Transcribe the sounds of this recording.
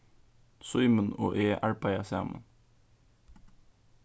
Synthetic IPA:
sʊʏməno̰ːʔeːʔæɹpɑɪɑsæːmʔə̰n

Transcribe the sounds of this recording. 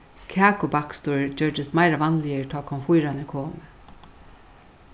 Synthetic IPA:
kʰaːkʊbakst̪uɹd͡ʒœɹd̪ɪsmaɪɾaʋanlɪəɹt̪ʰɔːkʰɔnfʊjɾanɪkʰoːmə

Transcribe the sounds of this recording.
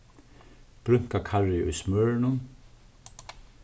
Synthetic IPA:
b̥ɾʏŋ̥kakʰaɹɪʔʊ̰jsmœɹnʊn

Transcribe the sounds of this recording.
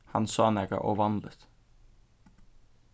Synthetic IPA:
hɑnsɑːnɛɡɑ̰ʔoːʋɑnd̪lət̪

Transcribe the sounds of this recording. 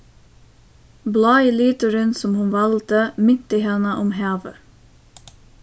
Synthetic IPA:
blɑːɪlyːt̪əɾənsɔmhʉnʋɑlt̪əmɪnt̪əhɛnəʔɔmɦæːʋə

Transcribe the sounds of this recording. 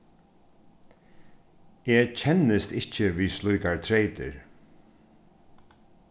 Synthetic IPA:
eːcʰɛnːɪst̪ɪcəviːslujkaɹt̪ʰɾeɪt̪ɪ̰ɹ

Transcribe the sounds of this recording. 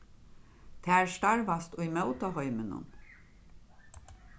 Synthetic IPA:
t̪ʰɛːɹst̪aɹʋast̪ʊjmœwt̪aɦɔʏmɪnʊ̰n

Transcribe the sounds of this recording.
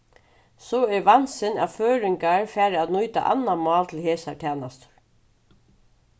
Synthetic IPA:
sɔɛɹʋansɪna̰ʋføːɾɪŋkaɹfæːɾɪat̪nujt̪a̰ʔa̰nːamɑːlt̪ʰɪlheːsaɹt̪ʰɛːnast̪ʊ̥ɹ̥

